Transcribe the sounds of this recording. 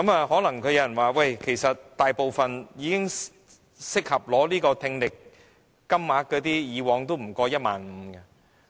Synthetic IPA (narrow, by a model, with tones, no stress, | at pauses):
kɐ˨˥mɐ˧hɔː˨˥lɐ˨˩ŋkʰɵ˨˧jɐ˨˧wjɐ˨˩nwaː˨˧wɐ˥˧˩jkʰe˨˩jsɐ˨t̚t̪aː˨jpo˨wfɐ˨njiː˨˧kɪ˥ŋ | sɪ˥k̚hɐ˨p̚lɔː˨˥liː˥kɔː˧t̪ʰɪ˧ŋlɪ˨k̚ː | ɐ˥mːaː˨˥kɔː˨˧˥t̪iː˥jiː˨˧wɔː˨˥ŋt̪o˥wm̩˨˩kɔː˧jɐ˥t̚ma̰ː˨˧nm̩˨˧˦kɐ˧